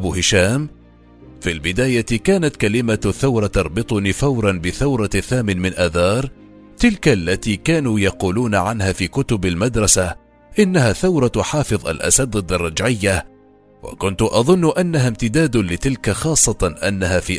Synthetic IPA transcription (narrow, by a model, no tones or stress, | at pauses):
buːhɪʃaːm | filbɪd̪aːjakaːnat̪kalɪmaθːawɾˤɑt̪ɑɾˤbɨt̪ˤʊniːfawɾˤɑnbɪθawɾˤɑθaːmɪnmɪnʔaːðɑːɾˤ | t̪ɪlkalːat̪iːkaːnuːjɑquːluːnaʕanhaːfiːkʊt̪ʊbalmad̪ɾˤɑsa | ʔɪnːahaːθawɾˤɑt̪ħɑːfɨðˤʔa̰lʔa̰sad̪ɪd̪ɑrˤːɑd͡ʒʕɪjːa | wa̰kʊnt̪ʊʔɑðˤʊnːʊʔanːaɦaːmt̪ɪd̪aːd̪lɪt̪ɪlkaxɑːsˤːɑt̪ʔanːahaːfiː